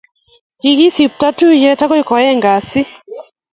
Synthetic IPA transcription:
ki˧ɣi˦si˨p̚ta˦tu˦jɛ˦ta˦kɔ˦i˦kɔ˨jɛ˦ŋɡa˨si˦

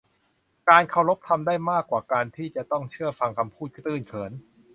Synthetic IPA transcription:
kaː˧nkʰa˧˩wɾo˦˥p̚t̪ʰa˧mdaː˥˩jmaː˥˩kwaː˨˩kaː˧nt̪ʰiː˥˩t͡ɕa˨˩t̪ɔ˥˩ŋt͡ɕʰɯ˥˩ɐfa˧ŋkʰa˧mpʰuː˥˩t̪̚t̪ɯː˥˩nt͡ɕʰɤː˩˦n

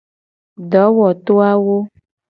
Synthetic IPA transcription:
ɖɔ˨˦wɔ˨t̪o˦a˦wo˦

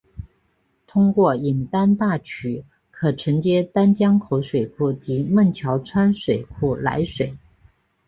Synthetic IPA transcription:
t̪ʰʊ˥ŋkwɔ˥˩i˨˩nt̪a˥nt̪a˥˩t͡ɕʰy˨˩ | kʰɤ˨˩ʈ͡ʂʰɤ˧˥ŋt͡ɕjɛ˥t̪a˥nt͡ɕjɑ˥ŋkʰo˧˥ʊʂwe˨˩ɪkʰu˥˩t͡ɕi˧˥mə˥˩ŋt͡ɕʰjɑ˧˥ʊt͡sʰwa˥nʂwe˨˩ɪkʰu˥˩la̰˧˥ɪʂwe˨˩ɪ

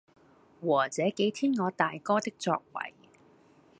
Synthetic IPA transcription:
wɔː˨˩t͡sɛː˨˥ke˨˥jt̪ʰiː˥nŋɔː˨˧t̪aː˨jkɔː˥t̪ɪ˥k̚t͡sɔ̰ː˧k̚wɐ̰˨˩j

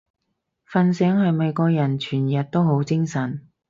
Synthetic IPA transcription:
fɐ˧nsɛː˨˥ŋhɐ˨jme˨˧jkɔː˧k̚jɐ˨˩nt͡ʃʰyː˨˩njɐ˨t̚t̪o˥wɦo˨˥wt͡sɪ˥ŋsɐ˨˩n

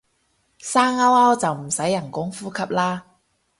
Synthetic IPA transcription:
saː˥ŋɐ˥wɐ˥wt͡sɐ˨wm̩˨˩sɐ˨˥jːɐ˨˩nkʊ˨˥ŋfuː˥kʰɐ˨p̚laː˥

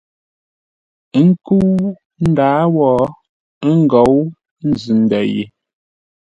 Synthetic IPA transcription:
ŋ̩˦ku˦ | n̩˦daː˨˦wɔː˨˦ | ŋ˦ɡɔ˨˦w | n̩˦zʉ˨n̩˨dɛ̰˨jḛ˨

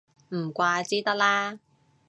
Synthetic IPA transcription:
m̩˨˩kʷaː˧t͡siː˥t̪ɐ˥k̚laː˥

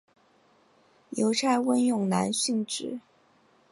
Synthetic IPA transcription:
jo˧˥ʊʈ͡ʂʰa˥˧ɪwə˥njʊ˥˩ŋna̰˧˥nɕy˥˧ŋʈ͡ʂɻ̩˨˩˦

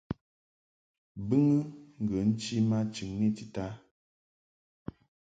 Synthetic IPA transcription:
bɨ˦ŋɨ˦ŋ̩˨ɡə˨n̩˦t͡ʃi˦ma˦t͡ʃi˨ŋːi˦ti˨ta˦

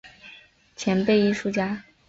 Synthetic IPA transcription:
t͡ɕʰjɛ˧˥npe˥˧ɪi˥˧ʂu˥˧t͡ɕja˥

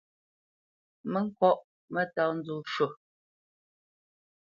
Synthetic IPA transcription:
mə˦ŋ̩˦kɔ˦˨ʔ | mə˦ta˦˨n̩˦d͡zu˨ʃo˨

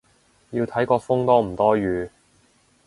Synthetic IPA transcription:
jiː˧wt̪ʰɐ˨˥jkɔː˧fʊ˥ŋt̪ɔː˥m̩˨˩t̪ɔː˥ɥyː˨˧

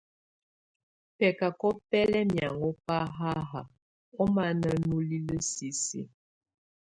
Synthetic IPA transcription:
pɛ˨ka˨kɔ˦pɛ˦lɛ˦mja˨ŋɔ˦pa˦ɦa˦ɦa˨ | ɔ˦ma˦nə˨˦nu˦li˦lə˦si˨sḭ˦

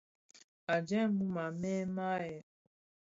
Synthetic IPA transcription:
a˨d͡ʒɛ˦mu˦ma˨mɛ˦ma˦jɛ˨

